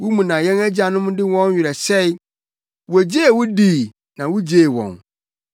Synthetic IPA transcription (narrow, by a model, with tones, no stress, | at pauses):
wu˦mũ˨nã˨jɛ̃˦næ˦d͡ʑa˨nʊ̃˦mʊ̃˦dɪ˦wɔ̃˦n˦ɥɪ˨ɾɛ˨sɛ˦i˦ | wɔ˨æ˨d͡ʑe˦˨wʊ˦diː˦˨ | nã˨wu˦d͡ʑe˦˨wɔ̰̃˨n